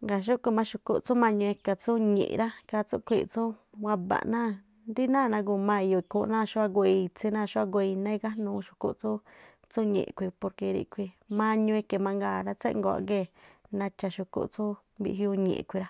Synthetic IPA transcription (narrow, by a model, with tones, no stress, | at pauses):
ŋɡa˨ʃ̬u˦kʷi˧˨mã˧ʃu˧kṵ˧˨t͡su˦mã˧ɲũ˧e˧ka˧t͡su˦ɲḛ̃˨ʔɾa˦ka˧t͡su˦kʷi˧˨t͡sũ˦wa˧ba̰˨ʔnã˦ | nd̪i˦nãː˦˨nã˧ɡ̬u˧˨mã˧i˧jo˧i˧ku˧nã˦˧ʃu˦a˧ɡo˧i˧t͡si˧˦nã˦˧˨ʃu˦a˦ɡo˧i˧nẽ˦˧ɡa˦nũː˧ʃu̥˧ku˧ʔt͡su˦ | t͡su˦ɲḛ̃˨ʔkʷi˧po˧ɾke˧ɾḭ˧kʷi˧ | mã˧ɲũ˧e˧ke˧˨mã˧ŋɡaː˧˨ɾa˦t͡sḛ˦ʔŋɡo˧a̰˧˨ɡe˦˨nã˧t͡ʃa˧ʃu˧kṵ˧t͡su˦ | bḭ˧ʔɦju˧ɲḛ̃˨˧kʷi˧ɾa˦